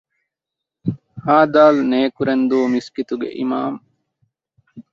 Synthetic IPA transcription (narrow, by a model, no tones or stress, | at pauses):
haːd̪aːlneːkuɾend̪uːmiskit̪uɡḛʔimaːm